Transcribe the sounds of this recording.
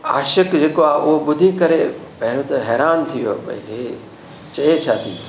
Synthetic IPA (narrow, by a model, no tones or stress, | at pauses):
a̰ːʃəkd͡ʑeːkoaʔʊɦoɓʊd̪ʱikɐɾepɐɦnut̪ɦɛːɾaːnt̪ʰijopɐ̰iɦe | t͡ʃɐet͡ʃʰat̪ʰijo̰